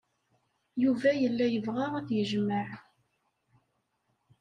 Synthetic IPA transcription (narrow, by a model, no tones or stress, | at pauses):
juvæjəlːæjəvʁaʁæθjəʒməʕ